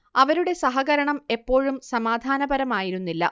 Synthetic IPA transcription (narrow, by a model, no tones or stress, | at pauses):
ɐʋɐɾuɽe̞sɐɦɐɣɐɾɐɳɐme̞pːo̞ːɻumsɐmaːd̪ʱaːnɐbɐɾɐmaːjiɾunːilːɐ̰